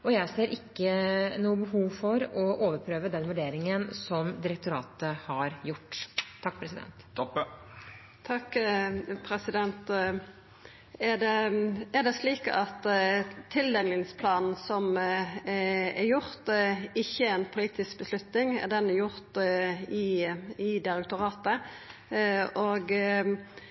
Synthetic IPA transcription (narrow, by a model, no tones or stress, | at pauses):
ɔjæɪseːɾʔɪkːənuːəbəɦuːʋfɔɾɔʔoːʋəɾpʰɾøːʋəd̪ɛnʋʉɖeːɾɪŋənsɔmd̪ɪɾək̚t̪ʊɾɑ̰ːt̪əhɑɾjʊʈ̪ːʰɑkːpʰɾɛsɪd̪ɛ̰nt̪ | t̪ʰɑkː | pʰɾɛsɪd̪ɛnt̪ | ɛd̪ɛɛd̪ɛsliːkɑt̪t̪ʰɪld̪ɛlɪŋspʰlɑːnn̩sɔm | ɛɾjʊɾt̪ɪçːəɛɪnpʰʊliːt̪ɪsk̚bəslʉt̪nɪŋɛ̰d̪ɛnɛjʊɾt̪ɪɪd̪ɪɾɛk̚t̪ʊɾɑːt̪ə | oːɡ